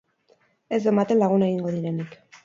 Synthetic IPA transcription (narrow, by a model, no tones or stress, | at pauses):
e̞zd̪omat̪e̞nlaɣ̞unaeɣiŋɡo̞ðiɾe̞nik